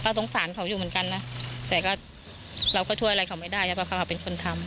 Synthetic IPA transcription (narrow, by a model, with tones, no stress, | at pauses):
pa˧˩so˨˩˦ŋsaː˩˦nkʰa˨˦wjuː˨˩mɯ˩˦nŋka˧nːa˦˥t̪ɛː˨˩kɔː˥˩ | ɾa˧wʰkʰɔ˥˩t̪ʰu˥˩əjʔa˧a˧jkʰa˧˩˦wma˥˩jdaː˥˩jaː˧˩pʰːkʰa˧˥˩kːa˧˩pe˧nkʰo˧nt̪ʰa˧m